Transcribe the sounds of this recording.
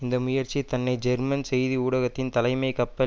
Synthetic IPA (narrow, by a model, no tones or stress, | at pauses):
ɪnd̪ɐmʊjɐɾt͡ʃːit̪ɐnːɐɪd͡ʒɛɾmɐnsɛjðiuːɽɐɣɐt̪ːɪnt̪ɐlɐɪmɐɪkːɐpːɐ